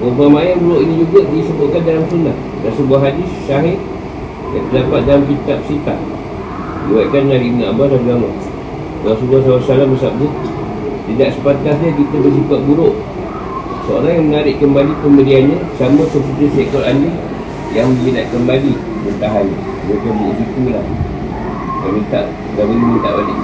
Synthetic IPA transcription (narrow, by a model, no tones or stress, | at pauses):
pəpamajanbuɾoʔinid͡ʒuɡaʔdisəbʊt̪̚kandalamsunah | dansəbuaɦadɪsːaɦɪ | jaŋt̪ərdapat̪̚dalamkit̪ap̚sit̪a̰ʔ̚ | diuwaʔkanmənaɾɪʔnaʔabadaɡaŋaʔ | dawasəbuahsawasalahməsap̚ɲə | t̪idaʔsəpat̪asɲəkit̪əbəs̬it̪aʔ̪̚buɾʊʔ | səoɾaŋjaŋmənaɾɪʔkəmbalipəməlianɲəsamakəp̬ət̪ɾisɛkɔlani | jaŋməɲinaʔ̪̚kəmbali | bənt̪aɦan | dək̪əbʊʔsit̪ulah | kamit̪aʔ | ɡamənumənt̪a̰ʔbadi